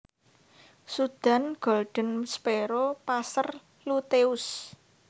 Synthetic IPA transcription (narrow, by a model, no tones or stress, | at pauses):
sud̪̥a̤nɡ̥ɔ̤lɖ̥ə̤nspeɾopasər | lut̪eʊs